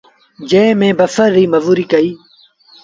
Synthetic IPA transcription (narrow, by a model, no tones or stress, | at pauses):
d͡ʒẽːmẽːbəfəɾːiːməʋuːɾiːkəiː